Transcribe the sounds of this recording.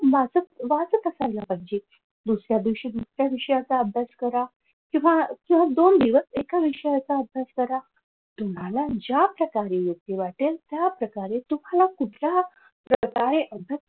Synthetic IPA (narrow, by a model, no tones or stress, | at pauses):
mad͡zətʋad͡zət̪əsajlapaɦid͡ʑe | d̪usɾjad̪iɕid̪usɾjaʋiʂəjat͡saəbʱjaskəɾa | kĩw̃ʋakĩw̃ʋad̪ond̪iʋəsekaʋiʂəjat͡saəbʱjaskəɾa | t̪um̤alad͡ʑapɾəkaɾejək̚t̪iʋaʈelt̪japɾəkaɾet̪um̤alakuʈlja | pɾəkaɾeʔəb̪ʱət